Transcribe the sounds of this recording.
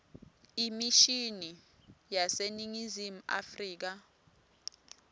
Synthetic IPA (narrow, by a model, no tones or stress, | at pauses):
imiʃinijaseniŋizim̩a̰friːk̬a